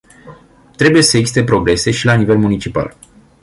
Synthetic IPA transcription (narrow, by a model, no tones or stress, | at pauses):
t̪ɾe̞buje̞səeɡzist̪e̞pɾo̞ɡɾe̞se̞ʃilanive̞lmunit͡ʃipa̰l